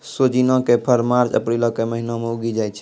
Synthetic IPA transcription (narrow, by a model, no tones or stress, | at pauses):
sod͡ʒinɔ̃kepʰəɾmaɾt͡ʃə̰pɾilɔ̃keməɦinameuɡid͡ʒajt͡ʃʰɛ̥